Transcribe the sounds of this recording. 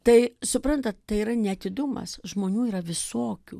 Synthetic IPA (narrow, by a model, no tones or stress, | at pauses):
t̪ɐɪsʊpɾɐnt̪ɐt̪t̪ɐɪiːɾɐnʲɛɐt̪ʲɪd̪ʊmɐ̰sʒmoːnʲuːiːɾɐʋʲɪsoːkʲṵː